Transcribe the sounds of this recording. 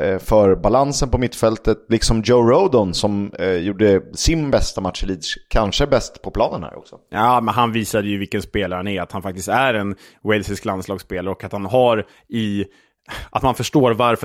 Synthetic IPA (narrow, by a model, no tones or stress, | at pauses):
fœɾbalansənpɔmɪt̪ːfɛlt̪ət̪lɪksɔmd͡ʒoʊɾod̪ɔnsɔmjuːɖəsɪnbɛst̪amat̪ʂliːd̪kʰanʂəbɛst̪pʰɔpʰlɑːnənhæ̰ːɾʔɔ̰ksɔjɑːmɛnɦanviːsad̪əjɵvɪlkənspeːlaɾənæɾat̪hanfak̚t̪ɪst̪æɾɛn | wɛlsɪsklanslɑːɡspeːlaɾɔkːat̪hanɦaɾ | ɪ | ʔat̪manfœʂʈoːɾvaɾf